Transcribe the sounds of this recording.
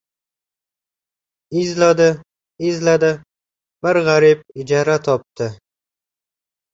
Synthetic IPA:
ɪzlad̪ɪ | ɪzlad̪ɪ | b̥ɪɾʁaɾɪb̚ɪd͡ʒaɾat̪ʰɒp̚t̪ʰɪ

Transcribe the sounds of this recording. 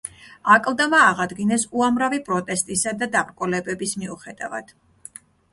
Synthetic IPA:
akʼlˠd̪amaːʁad̪ɡinɛsuamɾavipʼɾɔt̪ʼɛst̪ʼisad̪ad̪apʼɾkʼɔlɛbɛbismiuχɛd̪a̰va̰d̪̥

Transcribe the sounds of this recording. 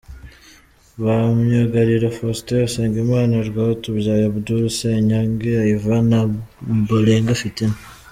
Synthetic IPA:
βamɲaɡaɾiɾafosteaseːŋɡimaːnaɾɡaːhotubjaːjaβuduɾuseɲaŋɡeaivanabuleːŋɡafitina

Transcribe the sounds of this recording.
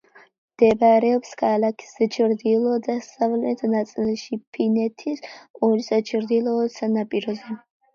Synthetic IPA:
md̪̥ɛbaɾɛɔpskʰalakʰi̥sɛt͡ʃʰɾd̪ilˠɔd̪asavlɛt̪ʰnat̪sʼilʃipʰinɛt̪ʰisɔɾisat͡ʃʰɾd̪ilˠɔːsanapʼiɾɔzɛ

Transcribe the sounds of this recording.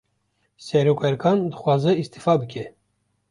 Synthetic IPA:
sɛɾokʰʷɛɾkʰɑnd̪ɨxwɑːzɨist̪ifaːbɨkʲʰɛ

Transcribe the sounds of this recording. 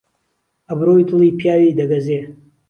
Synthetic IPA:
ɐbɾoːjt̪ʰɨliːpʰijaːwiːd̪ɐɡɐzeː

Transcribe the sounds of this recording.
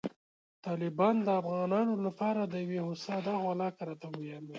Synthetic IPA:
t̪ɑlɪbɑnd̪əafɣɑnɑnolapɑɾad̪əjawehosɑd̪ɑɣwalɑkaɾɑt̪awojɑmi

